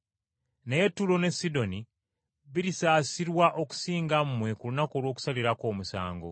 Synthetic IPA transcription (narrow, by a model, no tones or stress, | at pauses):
neje̞tːulo̞ne̞sːido̞ni | βiɾisaːsiɾwaʔo̞ku̥siːŋɡammwe̞kulunako̞ːlwo̞ːku̥saliɾako̞ːmusa̰ːŋɡo̰